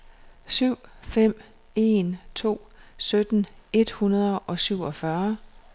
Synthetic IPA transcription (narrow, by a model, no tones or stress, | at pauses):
syʊ̰fem̰ | e̝nt͡sʰo̝̰ːsød̥n̩e̝d̥hunɐðˠʔɒ̽syʊ̰ɒ̽fɶɐ